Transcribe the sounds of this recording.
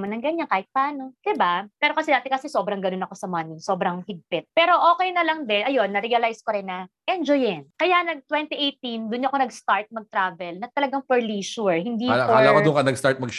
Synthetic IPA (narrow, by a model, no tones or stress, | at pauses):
monɐŋɡɐɲankaːhɪt̪̚paːno̞d̪̥ɪbapɛːɾo̞kɐsɛd̪aːt̪ɛkɐsɛso̞ːbɾɐŋɡɐnoɐko̞sɐmɐnɪŋso̞ːbɾɐŋhɪɡ̚pɪt̪̚pɛːɾo̞ʔo̞ːkɛjnɐlɐŋd̪ɛnʔɐjo̞nːɐɾiɐlajskoɾɛnːɐʔɛnd͡ʒojɪnkɐjaʔnɐɡ̚t̪wɛnt̪iʔejt̪ind̪ʊnɲoʔɐkonɐɡst̪aɹt̪̚mɐɡ̚t̪ɾaːvɛlnɐt̪ɐlɐɡaŋfɛɹliʃuɹhɪnd̪iːɐlaːwɐʊŋkɐnɐɡst̪aɹt̪̚mɐɡ